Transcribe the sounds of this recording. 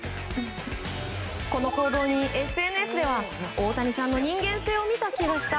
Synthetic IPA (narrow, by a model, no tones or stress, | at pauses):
ko̞no̞ko̞ːd̪o̞ːɲ̟iʔe̞sɨe̞nɯesɨd̪e̞βa | o̞ːt̪aɲ̟isãnːo̞ɲ̟ĩŋɡẽ̞ɰ̃se̞ːo̞mʲit̪akʲiɡaɕi̥t̪a